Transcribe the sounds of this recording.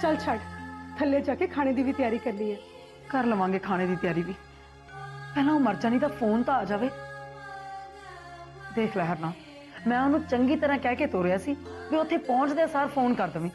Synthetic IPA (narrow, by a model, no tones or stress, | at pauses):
t͡ʃəlt͡ʃʰəʈt̪ʰəlːjaːd͡ʒaːkeːkʰaːɽ̃eːd̪iːʋiːt̪ɪjaːɾiːkəɾliːɛː | kəɾləʋãːŋɡeːkʰaːɽ̃eːd̪iːt̪ɪjaːɾiːʋiː | pɛːlãːoːməɾd͡ʒaːniːd̪aːpʰoːnt̪ãaːd͡ʒaːʋeː | d̪eːkʰlɛːɦəɾnãː | mɛ̃ːʊnũːt͡ʃəŋɡiːt̪əɾãːkɛːkeːt̪oːɾɪjaːsiːʋiːʊt̪ʰːeːpɔ̃ːt͡ʃd̪eaːsaːɾpʰoːnkəɾd̪əʋĩː